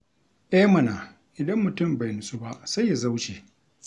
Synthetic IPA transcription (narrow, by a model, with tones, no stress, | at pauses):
ʔɛ˦mɐ˨naː˨ | ʔɪ˨dɐ˦mːʊ˨tʊ˦mba˨jnʊ˨su˦ba˦ʔsa˦jːa˨za˦wt͡ʃeː˨